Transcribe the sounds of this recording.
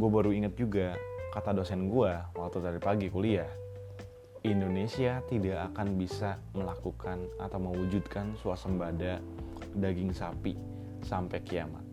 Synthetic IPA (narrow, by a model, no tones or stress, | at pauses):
ɡuabaɾuiŋat̪̚d͡ʒuɡakat̪adosɛnɡuawat̪ut̪aɾipaɡikuliah | indonesiat̪idaʔakanbisa | məlakukʰanat̪awməwud͡ʒud̪kansuasəmbada | daɡɪŋsapi | sampɛkia̰ma̰t̪̚